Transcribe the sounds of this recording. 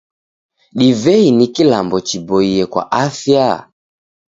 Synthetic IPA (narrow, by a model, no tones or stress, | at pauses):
ɗivɛinikilambɔt͡ʃibɔiɛkwa̰ʔafja